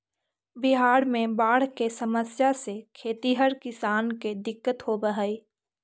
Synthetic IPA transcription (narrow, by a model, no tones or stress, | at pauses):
bɪɦaːɽmẽbaːɽ̤kesɐməsjasekʰeːt̪iɦəɾkɪsaːnked̪ɪkːət̪hobəɦəːiː